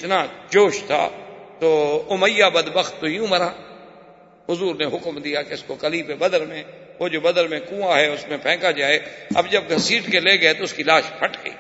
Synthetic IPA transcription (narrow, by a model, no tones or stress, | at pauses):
ɪt̪naːd͡ʒoːʃt̪ʰa̰ːt̪oːʊməjaːbəd̪bəxt̪ːojũməɾaː | ɦʊzuːɾneɦʊkmd̪ijaːkeʊskokəliːpebəd̪əɾmẽː | ʋoːd͡ʒoːbəd̪əɾmẽkũːaːɦɛːʊsmẽpʰɛ̃ːkad͡ʒaːeːɐ̰bd͡ʒɐb̚ɡʱəsiːʈkeleːɡəet̪oʊskilaːʃpʰəʈɡə̰ḭː